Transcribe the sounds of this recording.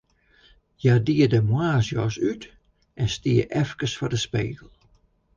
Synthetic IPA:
jadiədəmwaːsjɔsyt | ʔɛnstiəʔɛfkəsfɔdəspḛːɡəl̩ˠ

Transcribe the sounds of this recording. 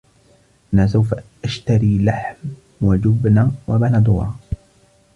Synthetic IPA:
ʔanaːs̬awfaʔaʃt̪aɾiːlaħm | wad͡ʒʊbnawabanad̪ˤʊɑ̰ː

